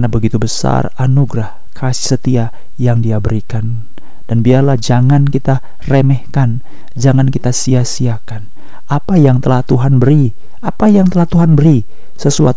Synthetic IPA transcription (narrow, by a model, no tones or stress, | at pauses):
nabəɡit̪ubəsa̰ranuɡɾah | kʰasi̥sət̪ia | jaŋdiabəɾikan | d̥anbiarlahd͡ʒaŋankit̪a | remɛhkan | d͡ʒaŋankit̪asiasiakan | apajaŋt̪əlaht̪uɦanbəɾi | apajaŋt̪əlaht̪uɦanbəɾi | səsua̰t̪